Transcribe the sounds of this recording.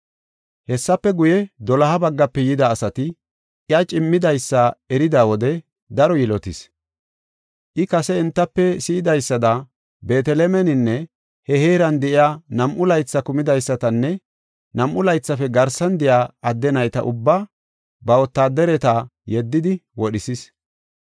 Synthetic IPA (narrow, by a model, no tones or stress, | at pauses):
hɛsːɐpːɛɡʊjɛd̪ɔlɐɦɐbɐɡːɐpːɛjɪd̪ɐːsɐt̪ɪ | ɪɐt͡ʃʼɪmːɪd̪ɐjsːɐɛɾɪd̪aːwɔd̪ɛ | d̪ɐɾɔjɪlɔt̪ɪs | ʔɪkɐsɛɪnt̪ːɐpːɛsɪɪd̪ɐjsːɐd̪ɐ | be̞ːt̪ɛlɛmɛnɪnːɛ | hɛheːɾɐnd̪ɛʔɪjaːnɐmʔʊlɐjt͡sːɐkʊmɪd̪ɐjsːɐt̪ɐnːɛ | nɐmʔʊlɐjt͡sːɐfɛɡɐɾsɐnd̪ɛjaːɐd̪ːɛnɐjt̪ɐʔʊbːaː | bɐɔt̪ːaːd̪ɛɾɛt̪ajɛd̪ːɪd̪ɪwɔɗɪsɪs